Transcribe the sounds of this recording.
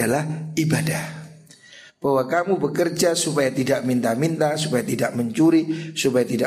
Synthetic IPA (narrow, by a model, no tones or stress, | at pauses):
alahibadah | b̥awakamubəkərd͡ʒasupajat̪idaʔmint̪amint̪asupajat̪idaʔməɲt͡ʃuɾisupajat̪ida